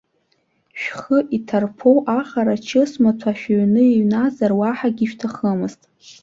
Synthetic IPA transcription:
ʃᶣχəʔitʰarpʰowʔaχaɾat͡ʃʰɨsmatʰaʃᶣaɥnɨiɥnazarwaħaɡʲiʃᶣtʰaχəmɨztʼ

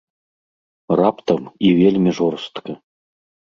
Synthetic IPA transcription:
rapt̪əmivʲelʲmʲiʐoɾst̪kə

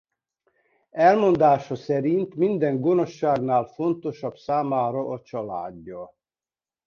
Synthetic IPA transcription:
ɛlmo̞nd̪aːʃɒsɛɾint̪mind̪ɛŋɡo̞no̞ʃːaːɡnaːlfo̞nt̪o̞ʃɒbsaːmaːɾɒʔɒt͡ʃɒla̰ːɟːɒ

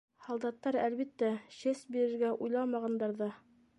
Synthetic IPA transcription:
hɑlˠd̪ɑt̪ːɑɾælβit̪ːæɕɘsbiɾɘ̆ɾɡæʔujlˠɑmɑʁɑnd̪ɑɾðɤ

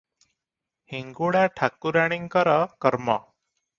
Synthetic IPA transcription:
hiŋɡoɽaʈʰakuɾaɽ̃iŋkəɾakəɾma̰

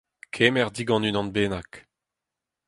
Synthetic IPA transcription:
kʰɛmɛʁd̪iɡɑ̃nynɑ̃nbeːnak

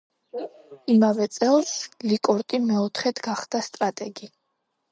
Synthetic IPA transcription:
imavɛt̪sʼɛlˠslikʼɔɾt̪ʼimɛɔt̪ʰχɛd̪ɡaχd̪ast̪ʼɾat̪ʼɛɡi

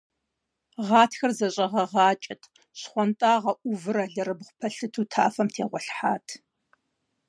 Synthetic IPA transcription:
ʁɑːtʰxɐrzɐɕʼɐʁɐʁɑːt͡ʃʼɐtʰ | ɕχʷɔntʼaːʁɐʔʷʊvɨɾɐɮɐɾɨbχʷʊpʰɐɬɨtʰuːtʰaːfɐmtʰeːʁʷɔɬħaːtʰ

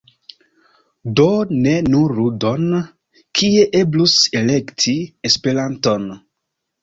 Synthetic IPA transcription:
done̞nuɾudo̞n | kʰie̞ʔe̞bluse̞le̞ktʰiespe̞ɾanto̞n

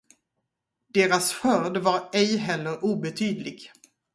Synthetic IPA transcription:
d̪̥eːɾasɧœɾɖ̪vaɾɛjɦɛlːəɾʔuːbɛt̪ʰyːd̪lɪɡ

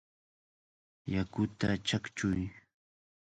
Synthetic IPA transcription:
jakʊt̪at͡ʃakt͡ʃʊj

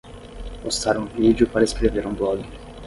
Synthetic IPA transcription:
ost̪aɾũvid͡ʒʊpaɾɐeskɾeveɾũblɔɡɪ

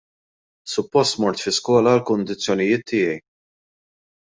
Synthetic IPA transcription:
sʊpːɔst̪mɔɾt̪fɪskɔːlɐlkʊnd̪ɪt͡sːjɔnɪjɪːt̪ʰːɪːjɛj

